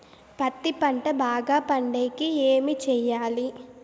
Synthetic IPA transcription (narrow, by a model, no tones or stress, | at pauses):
pɐt̪ːipɐɳʈɐbaːɡaːpɐɳɖeːkieːmit͡ʃɛjːaːli